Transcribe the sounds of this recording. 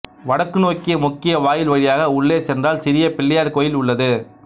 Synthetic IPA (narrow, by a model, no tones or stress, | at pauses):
ʋɐɽɐkːɯnoːkːɪjɐmʊkːɪjɐʋaːjɪlʋɐɻɪjaːɣɐʊɭːeːsɛndraːlsɪɾɪjɐpɪɭːɐjaːɾkoːjɪlʊɭːɐðɯ